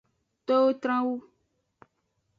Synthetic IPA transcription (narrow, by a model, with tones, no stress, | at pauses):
t̪o˦wo˦t̪ɾã˦wu˦